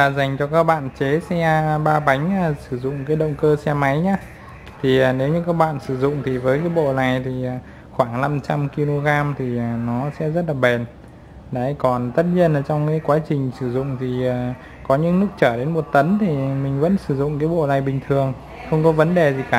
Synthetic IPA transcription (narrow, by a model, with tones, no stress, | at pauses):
vaː˨˩za˨˩jŋ̟t͡ɕɔ˧kaː˦˥k̚ɓa̰ː˧˨nt͡ɕe˨˦sɛ˧ɓaː˧ɓa˨˦jŋ̟aː˧˩sɨ˧˩zʊ̰˧˨ŋ͡mkaː˨˦jɗə̰˧˨wŋ͡mkəː˧sɛ˧ma˨˦jɲaː˧ | t̪ʰi˨˩a˨˩ne˨˦wɲɨ˧kaː˦˥k̚ɓa̰ː˧˨nsɨ˧˩zʊ̰˧˨ŋ͡mt̪ʰi˨˩vəː˨˦jkaː˨˦jɓo̰˧˨na˨˩jt̪ʰi˨˩˨ | xwaː˧˩ŋna˧mt͡ɕa˧mki˧lo˧ɣaː˧mt̪ʰi˨˩˨nɔ˨˦sɛ̰˧˥zə˦˥t̚laː˨˩ɓe˨˩n | ɗa̰˧˩˨kɔ˨˩nt̪ə˦˥t̚ɲi˧ənaː˨˩t͡ɕɔ˧wŋ͡mkaː˨˦jkwaː˨˦t͡ɕï˨˩ŋ̟sɨ˧˩zʊ̰˧˨ŋ͡mt̪ʰi˨˩aː˨˩ | kɔ˨˦ɲɨ̰˧˥ŋnɨ˦˥ək̚t͡ɕəː˧˩ɗe˨˦nmo˨˩t̚t̪ə˨˦nt̪ʰi˨˩mï˨˩ŋ̟və̰˧˥nsɨ˧˩zʊ̰˧˨ŋ͡mkaː˨˦jɓo̰˧˨na˨˩jɓï˨˩ŋ̟t̪ʰɨ˨˩əŋ | xə˧wŋ͡mkɔ˨˦və˨˦nɗe˨˩zi˨˩kaː˧˩